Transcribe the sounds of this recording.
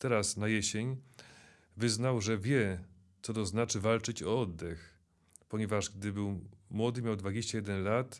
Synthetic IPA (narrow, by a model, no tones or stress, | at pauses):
t̪ɛɾasnajɛɕeɲ | vɘznawʐɛvʲjɛ | t̪sɔd̪ɔznat͡ʂɘvalt͡ʂɘt͡ɕɔɔd̪ːɛx | pɔɲɛvaʐɡ̚d̪ɘbɘwmwɔd̪ɘmʲjawd̪vad͡ʑeɕt͡ɕajɛd̪ɛnlat̪